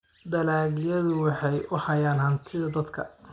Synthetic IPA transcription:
d̪ɐlaːɣɪjɐðʊwɑħɑjʊhɐjaːnhɐnt̪ʰɪðɐd̪ɐd̪kʰɐ̰

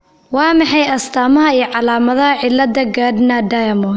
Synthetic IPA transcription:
wɑːmɑħɑjɐst̪ʰaːmɐɦɐiːjʕɑlaːmɐðɐɦɐʕɪlːɐd̪ɐɡaːd̪nɐɖɐjɐmɔ

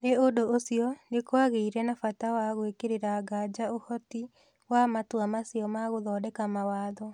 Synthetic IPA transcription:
neodoosiɔnekoaɣeiɾɛnafatawaɣwekeɾeɾaɡad͡ʑaohɔti | wamatwamasiɔmaɣoðɔːdɛkamawaːðɔ

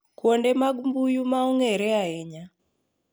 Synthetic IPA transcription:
kwɔndɛmaɡumbujumauŋɛɾɛaɛɲa

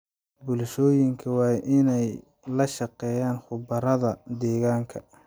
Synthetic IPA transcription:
bʊlʃɔːjɪŋkʰɐwɑːjʔɪnɛj | lɐʃɑqɛːjaːnχʊbɐɾɐðɐd̪ɛːɣaːŋkʰɐ

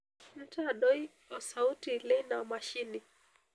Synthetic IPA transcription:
m̩taːɗɔi | ɔsautilɛinaɔmaʃini

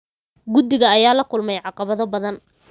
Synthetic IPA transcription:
ɡʊd̪ɪɣɐːjaːlɐkʰʊlmɛjʕɑqɑβɐðɔbɐðɐn

